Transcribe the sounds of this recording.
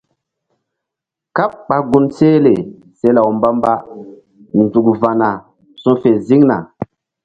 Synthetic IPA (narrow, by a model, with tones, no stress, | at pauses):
ka˦p̚ɓa˨ɡu˦nse˦le˨ | se˦la˨wmba˦mba˦ | n˨zu˨kva˨na˨ | sũ˦fe˨zi˦ŋna̰˨